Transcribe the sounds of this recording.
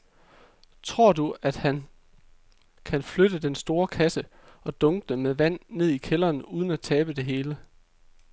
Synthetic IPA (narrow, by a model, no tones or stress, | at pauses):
t͡sʰʁo̝ɐ̰duæd̥hæn | kʰænflød̥əd̥ensd̥o̝ːɐkʰæsə | ɒ̽d̥ɔ̽ŋɡ̥əd̥emeðˠʋæn̰ːe̝ð̞̰ˠikʰelɐːnuːð̞ˠn̩æt͡sʰɛːb̥əd̥e̝ɦe̝ːlə